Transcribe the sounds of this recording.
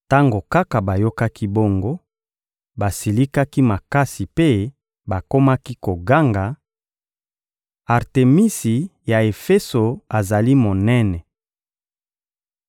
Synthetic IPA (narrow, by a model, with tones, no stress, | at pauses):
ta˦ŋɡo˨ka˦ka˨ba˨jo˦ka˦ki˦bo˦ŋɡo˦ | ba˨si˨li˦ka˦ki˦ma˨ka˦si˨pe˦ | ba˨ko˦ma˦ki˦ko˨ɡa˦ŋɡa˨ | a˨ʁte˨mi˦si˨ja˨e˨fɛ˦so˨a˨za˨li˦mo˨nɛ˦nɛ˨